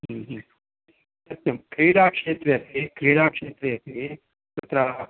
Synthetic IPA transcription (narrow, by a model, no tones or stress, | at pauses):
ɦɦ | sɐt̪jɐmkɾiːɽaːkʂeːt̪ɾɐjɐt̪iikɾiːɽaːkʂeːt̪ɾejɐt̪ii | tɐt̪ɾa